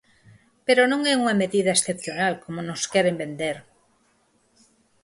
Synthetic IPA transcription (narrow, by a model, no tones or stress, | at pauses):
peɾonõŋɛuŋɐmeðiðɐesθepθjonalkomonoskɛɾembend̪eɾ